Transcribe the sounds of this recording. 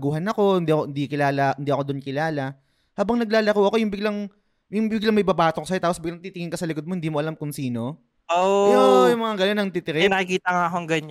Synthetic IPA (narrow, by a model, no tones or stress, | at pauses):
ɡuːhɐnɐko̞ɪnd̪iːʔɐkohɪnd̪ikɪlaːlɐʔɪnd̪iːʔɐkod̪onkɪlaːlɐ | haːbɐŋnɐɡ̚laːlɐkuʔɐko̞jʊŋbɪɡlɐŋ | ʊŋbɪɡlɐŋmɐjbɐbaːt̪okosɐjot̪aːposbɪɡlɐŋt̪iːt̪ɪŋɪŋkɐsɐlɪkd̪̚mo̞hɪnd̪iːmoʔɐlamkʊŋsiːno̞ | oojʊŋmɐŋaɡɐnonɐŋt̪it̪ɪɾɛnɐkikiːt̪ɐŋaɐkoŋɡɐɲ